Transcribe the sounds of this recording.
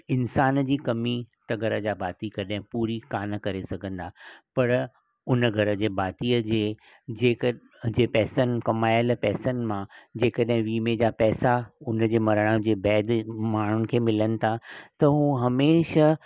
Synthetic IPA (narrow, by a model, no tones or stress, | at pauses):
ɪnsaːnd͡ʑiːkɐmit̪ɐɡəɾəd͡ʑaːbaːt̪ikɐɗɦɪ̃puːɾikaːnə̆kɐɾesɐɡʱə̃nd̪aːpɐɾ | ʊnəɡʱɐɾəd͡ʑeːbaːt̪iːəd͡ʑeː | d͡ʑeːkə | d͡ʑeːpɛːsənɪ̆kɐmaːjəlpɛːsənɪ̆mãd͡ʑeːkəɗɦɪ̃ʋiːmed͡ʑaːpɛːsaʊnəd͡ʑeːmɐɾəɽ̃əd͡ʑeːbɛːd̪maːɳ̤ʊnɪ̆kʰeːmɪlənɪ̆t̪ʰat̪ɐɦũːɦɐmeːʃə